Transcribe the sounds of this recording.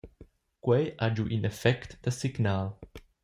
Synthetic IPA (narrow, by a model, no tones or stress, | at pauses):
kwɛjʔad͡ʒuʔĩnɛfɛkt̪d̪əsɪɡnaːl